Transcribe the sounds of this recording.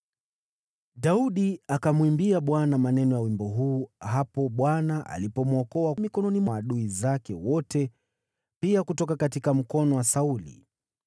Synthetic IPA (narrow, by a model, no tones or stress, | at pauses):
ɗauɗiakamwimbiaɓwanamanɛnɔjawimbɔɦuːɦapɔɓwanaʔa̰lipɔmɔkɔwamikɔnɔnimɔaɗuizakɛwɔtɛ | piakutɔkakatikam̩kɔnɔwasaulḭ